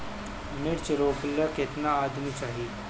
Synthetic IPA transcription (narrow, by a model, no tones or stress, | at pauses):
mɪɾt͡ʃɾoːklakɪt̪naaːd̪mit͡ʃaːɦi